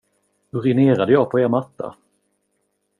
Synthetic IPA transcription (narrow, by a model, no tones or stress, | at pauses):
hɵɾɪneːɾad̪əjɑːɡ̚pʰɔeːɾmat̪ːa̰